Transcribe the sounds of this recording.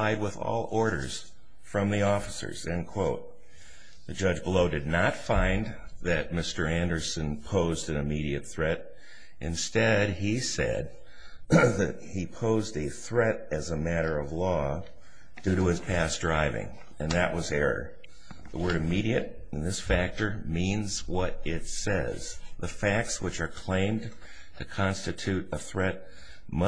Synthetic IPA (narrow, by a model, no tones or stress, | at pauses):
aɪd̚wəðɔ̰lˠɔɹɾə̰˞z̥ | fɹʌ̃mðiɔfə̥sə̰˞z̥ɨ̃nkʰw̥oʊt̪̚ | ðɨd͡ʒʌd͡ʒbəloʊdɨdⁿnətfãɪ̃n | ðɨt̚mɪstə˞æ̃ndə˞sɨ̃npʰoʊzdɨ̃nɨmiɾiɨt̪̚θɹɛɾ | ʔɨ̃nstɛd̚isɛ̰d̪̚ | ðɨt̚hipʰoʊzdɨθɹɛɾɨzəmæɾə˞ʌvlɔ | d̥ʉɾəɨz̥pʰæsdɹaɪvɪ̰̃ŋ | ɨ̃nðɨʔwʌzɛɹə̰˞ | ðəwɜ˞ɾɨmiɾiɨɾ | ɨ̃nðɪsfæk̚tə˞mĩnzwʌɾɪtsɛ̰z̥ðəfæk̚tswɨt͡ʃə˞kʰl̥ẽɪ̃m | tʰɨkʰɑ̃nstɨtʰʉɾəθɹɛt̚ | mʌ